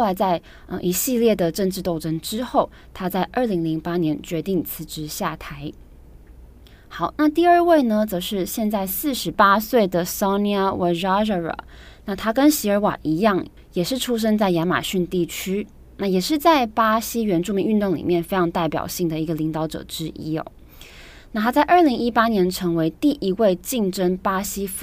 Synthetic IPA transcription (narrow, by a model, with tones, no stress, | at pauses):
o˥o˩ʊla˧˥ɪt͡sa˥˩ɪ | ə̰˧ʔi˧˥ɕi˥˧ljɛ˥˩d̪ə˩ʈ͡ʂə˥˧ŋʈ͡ʂɻ̩˥˧t̪o˥˧ʊʈ͡ʂʰə˥ŋʈ͡ʂɻ̩˥xo˥˩ʊ | t̪ʰa˥t͡sa˥˧ɪʔə˞˥˩li˧˥ŋli˧˥ŋpa˥njɛ˧˥nt͡ɕɥɛ˧˥t̪i˥˩ŋt͡sʰɹ̩˧˩ʈ͡ʂɻ̩˧˥ɕja˥˩t̪ʰa˧˥ɪ | xɑ˨˩˦ʊna˥˧t̪i˥˧ə˞˥˧we˥˩ɪnə˨˩t͡sɤ˧˥ʂɻ̩˥˧ɕjɛ˥˧nt͡sa˥˧ɪsɹ̩˥˩ʂɻ̩˧˥pa˥swe˥˩ɪd̪ə˩sɑ˥ʊni˥a˥wʔe˧˥ɻa˥ʐə˧ə̰˨˩˦ | na˥˧t̪ʰa˥kə˥nɕi˧˥ə˞˧˥wa̰˨˩i˧˥jɑ˥˩ŋ | jɛ˨˩ʂɻ̩˥˩ʈ͡ʂʰu˥ʂ̬ə˥ŋt͡sa˥˩ɪja˧˥nma̰˨˩ɕy˥˧nt̪i˥˩t͡ɕʰy˥ | na˥˩jɛ˨˩ʂɻ̩˥˧t͡sa˥˩ɪpa˥ɕi˥ɥɛ˧˥nʈ͡ʂu˥˩mi˧˥ŋy˥˧nt̪ʊ˥˩ŋlḭ˨˩mjɛ˥˩nfe˥ɪʈ͡ʂʰɑ˧˥ŋt̪a˥˩ɪpjɑ̰˨˩ʊɕi˥˩ŋd̪ə˩i˧˥ɡə˧li˧˥ŋt̪ɑ˧˥ʊʈ͡ʂɤ̰˨˩˦ʈ͡ʂɻ̩˥ʔi˥o̰˨˩ | na˥˩t̪ʰa˥t͡sa˥˧ɪʔə˞˥˩li˧˥ŋi˥pa˥njɛ˧˥nʈ͡ʂʰɤ˧˥ŋwe˧˥ɪt̪i˥˩ʔi˧˥we˥˧ɪt͡ɕi˥˩ŋʈ͡ʂə˥npa˥ɕi˥f